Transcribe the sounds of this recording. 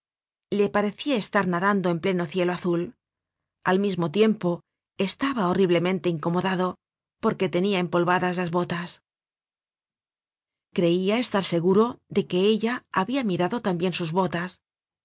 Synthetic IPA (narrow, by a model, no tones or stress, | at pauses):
le̞paɾe̞θiae̞st̪aɾnaðand̪o̞e̞mple̞no̞θje̞lo̞aθul | almizmo̞t̪̬je̞mpo̞ | e̞st̪aβaoriβ̞le̞mẽ̞nt̪e̞iŋko̞mo̞ðaðo̞ | po̞ɾke̞t̪e̞niaempo̞lβaðazlazβo̞t̪as | kɾe̞iae̞st̪aɾse̞ɣuɾo̞ðe̞ke̞eʎaːβiamiɾaðo̞t̪ambje̞nsuzβo̞t̪as